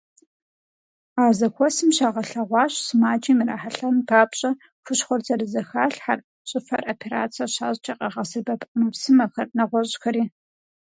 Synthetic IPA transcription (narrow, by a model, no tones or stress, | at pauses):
aːzɐkʷʰɔsɨmɕaːʁɐɬɐʁʷɑːɕsɨmaːt͡ʃʼiːmɨra̰ːħaɬɐmbʰaːpɕʼɐ | fʷʊɕχʷɔrzʰɐrɨzɐxaːɬħar | ɕʼɪfɐ̰rʔoːpʰeɾa̰ːt͡sʰɐɕaːʑt͡ʃʼɐqʼɐʁɐsɨbɐpʼmɨpsɨmɐxɐrnɐʁʷɔɕʼxɐɾiː